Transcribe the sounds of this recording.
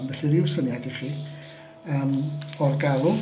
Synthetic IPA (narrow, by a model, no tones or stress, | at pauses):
mvɛɬɨɾɪwsənjadiχiː | əːmɔrɡalˠʊ